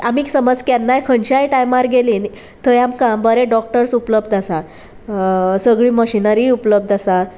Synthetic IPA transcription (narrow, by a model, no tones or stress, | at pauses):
amiːksəməd͡zkanːajkʰəɳɕajʈajmaɾɡeliːn | t̪əjamkãmbəɾɛ̃ɖɔk̚ʈəɾsupləb̚d̪asat | səɡɭiːməɕinəɾiupləb̚d̪asaɾ